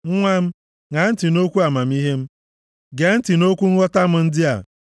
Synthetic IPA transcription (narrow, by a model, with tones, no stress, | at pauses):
ŋ̩˦ŋʷa˦m̩˦ | ŋa˨n̩˦ti˨no˦kʷu˦a˨ma˨m̩˦i˦ɦe˦m̩˦ | ɡe˨˦n̩˦ti˨no˦kʷu˦ŋ̩˦ɣɔ˦ta˦m̩˦n̩˦dɪ˦a̰˨